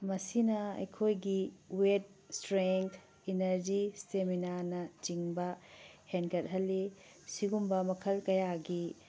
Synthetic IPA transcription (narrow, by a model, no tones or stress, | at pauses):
mɐsinɐɐ̰jkʰojɡiwet̚stɾeŋtʰ | inɐɾd͡ʒisseminaɾnɐt͡ʃiŋbɐhenkɐt̚ɦɐlːi | siɡumbɐmɐkʰɐlkɐjaɡi